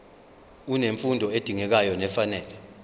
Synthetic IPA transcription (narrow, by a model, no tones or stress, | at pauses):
uneɱfundʱɔed̥ʱiŋɛk̬ajɔnɛfanɛːlɛ